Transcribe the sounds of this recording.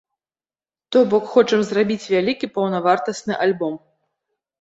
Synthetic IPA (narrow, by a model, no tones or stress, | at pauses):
t̪ɔbɔkxɔt͡ʂɐmzrabʲit͡sʲvʲalʲikʲipɐwnɐvart̪ɐsnɨʔalʲbɔm